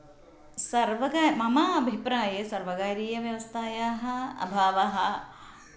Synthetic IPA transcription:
sɐɾʋɐɡamɐmaɐbʱipɾaːjesɐɾʋɐɡaːɾiːjɐʋjɐʋɐst̪ʰaːjaːɦɐ̆ɐ̰bʱaːʋɐɦɐ

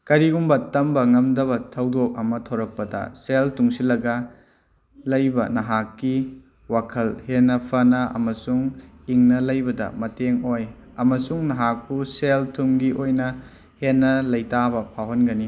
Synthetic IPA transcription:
kɐɾiɡumbɐtɐmbɐŋɐmdɐbɐtʰɐwdok̚ɐmɐtʰɐwɾɐk̚pɐdɐ̰seltuŋsilɐɡɐ | lɐjbɐnɐɦakːi | wakʰɐlhenːɐpʰɐnɐɐ̰mɐsuŋ | iŋnɐlɐjbɐdɐ̰mɐteŋoj | ɐmɐsuŋnɐɦak̚puseltʰumɡiʔojnɐ | henːɐlɐjtabɐpʰawɦonɡɐni

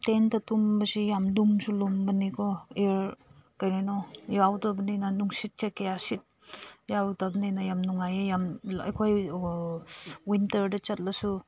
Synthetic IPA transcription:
tentɐtumbɐsijamdumsulumbɐnikʰɔeɾkajnajnɔjawtabɐninanuŋsit̚kʰakejasit̚ | jawtabninajamnuŋajejamɐ̰jkʰoj | wintɐɾdɐt͡ʃɐt̚lɐsu

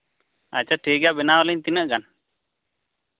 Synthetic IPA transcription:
a̰t͡ʃaʈʰiɡabɛnawalɛɲt̪inəʔɡan

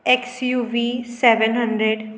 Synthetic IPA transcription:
eksjuːʋiːsɛʋə̃nɦə̃ɳɖɾeɖ

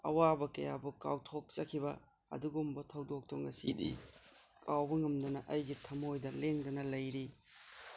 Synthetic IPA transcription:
ɐ̰wabɐkɐja̰buka̰wtʰok̚t͡ʃɐkʰibɐ | ɐ̰duɡumbɐtʰɐwdok̚toŋɐsidḭ | kʰawbɐŋɐmdɐnɐʔɐjɡitʰɐmojdɐleŋdɐnɐlɐjɾi

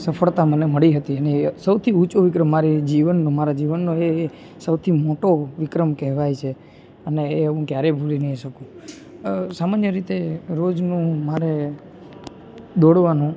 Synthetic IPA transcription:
səfʰəɭt̪aməneməɭiɦət̪iənesəwt̪ʰiut͡ʃoʋɪkɾəmːaɾid͡ʒiʋənːomaɾad͡ʒiʋənːoeː | səwt̪ʰimoʈoʋɪkɾəmkɛɦʋajt͡ʃʰe | əneːəɦũkjaɾebʱulinəɦiʃəkũ | samanjəɾit̪eɾod͡ʒnũmaɾe | d̪oɽʋanũ

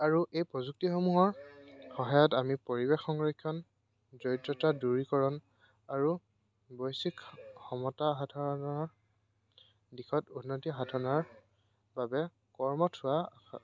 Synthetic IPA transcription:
aɹuʔejpɹɔzuk̚tixomuɦɔɹxɔɦajɔtamipoɹibexɔŋɹɔkʰːjɔn | zɔjtɹɔtaduɹikɔɹɔn | aɹu | bɔjsikxɔmɔtaɦadʱaɹɔnɔɹ | dixʰɔtunːotiɦadʱanaɹ | babɛ | kɔɹmɔtʰʊwa

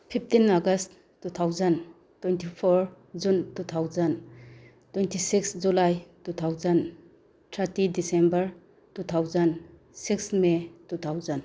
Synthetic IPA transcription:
pʰip̚ʰtinaɡɐst | tut̪ʰawzɐn | twentipʰɔɾ | d͡ʒuntut̪ʰawzɐn | twejntʰisiksd͡ʒulajtutʰawzɐn | tʰaɾtidisembɐɾ | tut̪ʰawzɐn | siksmetut̪ʰawzɐn

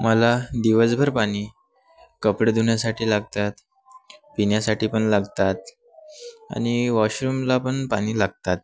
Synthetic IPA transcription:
məlad̪iʋəd͡zbʱəɾpaɽ̃iː | kəpɽəd̪uɳjasaʈʰiːlaɡ̚t̪at̪ | pinjasaʈiːpəɳlaɡt̪at̪ | a̰ɽ̃iʋaɕɾumlapəɳpaɽ̃iːlaɡ̚t̪at̪̚

